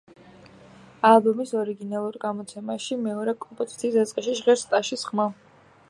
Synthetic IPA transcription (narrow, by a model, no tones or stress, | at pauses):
alˠbɔmisɔɾiɡinalˠuɾɡamɔt̪sʰɛmaʃimɛɔɾɛkʼɔmpʼɔzit̪sʰiːsd̪at̪sʼqʼɛʃiʒʁɛɾst̪ʼaʃisχma